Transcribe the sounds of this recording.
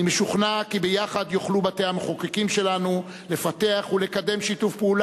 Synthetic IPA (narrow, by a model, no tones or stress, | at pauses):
imeʃuχnakibejaχad̪joχlubateameχokekimʃe̞lanu | le̞fate̞aχule̞kade̞mʃitufpeul